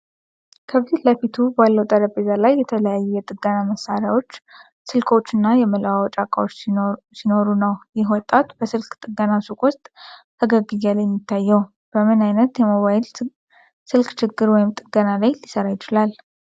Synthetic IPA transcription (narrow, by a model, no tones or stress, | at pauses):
kʰəβziləfit̪ʰubalːəwt̪ʼəɾəbezalajːɛt̪ʰələjajːɛɛt̪ʼɨɡːənaməsaɾjawo̞t͡ʃː | sɨlkʰo̞t͡ʃːɨnːajɛmələwawɔt͡ʃʼakʼawot͡ʃː | sino̞ɾunəwjɪhwɔt̪ʼːat̪bəsɨlkʼt̪ʼɨɡənasukʼwʊst̪ʼh̪ʰəɡəɡɨzaljɛmːjit̪ʰːajːɛw | b̥əmɨnajnət̪jɛmoβajl | sɨlkʼt͡ʃʰɪɡːɨɾwɔjɪmt̪ʼɨɡənalajlisəɾajɪt͡ʃɪlal